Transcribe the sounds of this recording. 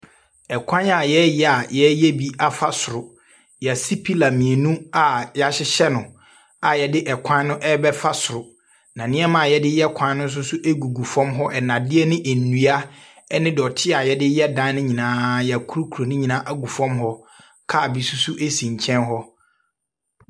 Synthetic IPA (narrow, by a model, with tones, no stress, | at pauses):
ɛ˨kʷʰã˦na˨jɛ˦jɛ˨a˨jɛ˦jɛ˦bi˦a˦fa˦sʊ˨ɾʊ˨ | ja˨si˦pʰi˦la˨mĩ˨e˨nũ˦a˨ja˨ɕɪ˦ɕɛ˦nʊ̃˨ | a˨jɛ˨dɪ˦ʔɛ˨kʷʰã˦n˦nʊ̃˦ʔɛ˦bɛ˦fa˦sʊ˨ɾʊ˨ | nã˨nɪ̃˦ɛ˦mã˨jɛ˦dɪ˦jɛ˦kʷʰã˦n˦nʊ̃˦n˦s̬ʊ˦sʊ˦ʔe˦ɡu˨ɡu˨fɔ̃˦mɦɔ˦ʔɛ˨nã˨dɪ˦ɛ˦nɪ̃˦ʔæ˨n̩ː˨u˨a˦ | ɛ˦nɪ̃˦dɔ˨tʰɪ˦a˨jɛ˦dɪ˦jɛ˦dã˨˦nɪ̃˦ɲĩ˨nãː˨˦jkʰu˦ɾu˦kʰu˨ɾo˨nʊ̃˦ɲĩ˨nã˦ʔa˦ɡu˨fɔ̃˦mɦɔ˦ | kʰa˦˨bi˨su˦sʊ˦ʔe˦sĩ˨ɲ˨t͡ɕʰɛ̃˦nɦɔ˦